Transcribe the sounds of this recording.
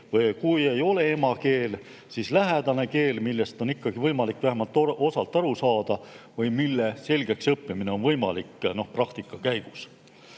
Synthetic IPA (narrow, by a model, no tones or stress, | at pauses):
vɤjkuje̞jo̞le̞e̞mɑke̞ːl | sislæɦæd̪̥ɑne̞ke̞ːlmilːe̞st̪o̞nikːɑɡ̥ivɤjmɑlikːˑvæɦemɑlt̪ːˑoo̞sɑlt̪ːˑɑɾusɑːd̪̥ɑvɤjmilːe̞se̞lʲɡ̥e̞ksɤpːimine̞o̞nvɤjmɑ̰likno̞hprɑk̚t̪ikˑːɑkæjɡ̥us